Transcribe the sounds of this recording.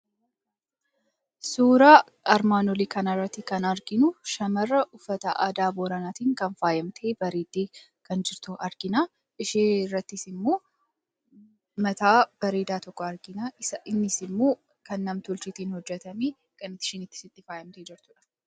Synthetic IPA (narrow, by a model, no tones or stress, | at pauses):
suːɾaː | ɐɾmaːnɔliːkɐnɐrːɐt̪ːɪkɐnɐɾɡɪnʊʃɐmɐrːɐʔʊfːɐt̪ɐʔaːd̪aːboːɾɐnaːt̪iːŋkɐnfaːjɐmt̪ʰeːbɐɾeːd̪eː | kɐnd͡ʒɪɾt̪ʊɐɾɡ̥ɪnaː | ʔɪʃeːrːɐt̪ːɪsɪmːo̞ː | mɐt̪aːb̥ɐɾeːd̪aːt̪ɔkːɔɐɾɡɪnaːʔɪsɐʔɪnːɪsɪmːoː | kɐnːɐmt̪ʊlt͡ʃɪt̪iːnhɔd͡ʒːɛt̪ɐmeː | kɐnɪt̪ːɪ̥ʃɪnɪt̪ːɪ̥sɪt̪ːɪfaːjɐmt̪eːd͡ʒɪɾt̪ʊᶑɐ̥